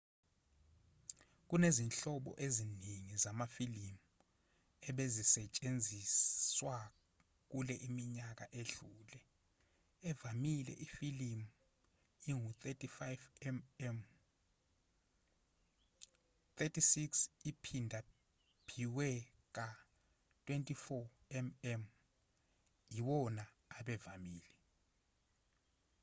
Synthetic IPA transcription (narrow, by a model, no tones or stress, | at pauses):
k̬unezinɬɔɓɔ̰ʔeziniŋizamafilimu | ɛɓezisɛt͡ʃʼend͡zʱiswa | k̬ulɛʔimiɲak̬aʔeɮuːlɛ | ɛvamilɛ̰ʔifilim | iŋut̪ʰʼetʰʼifajvm | t̪ʰetʰʼisiksipʰindʱa | pʰiwɛ | k̬a | tʰʼwɛntʼifɔ | ɛmɛm | jiwɔna | aɓɛvamiːli